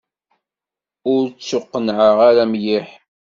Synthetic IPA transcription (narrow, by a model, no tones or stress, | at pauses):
ʊɾt͡sːʊqːənʕəʁaɾæmjiħ